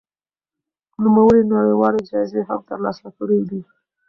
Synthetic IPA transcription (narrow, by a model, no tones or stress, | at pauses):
numawəɾinaɽəwɑled͡ʒɑzeɦamt̪əɾlɑsakəɽed̪i